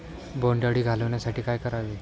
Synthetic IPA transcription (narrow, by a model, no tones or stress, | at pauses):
bɔɳɖəɽiːɡʱaləʋɳjasaʈʰiːkajkəɾaʋe